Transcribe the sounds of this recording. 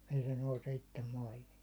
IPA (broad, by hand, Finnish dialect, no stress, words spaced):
ei se nouse itːem mɑihin̞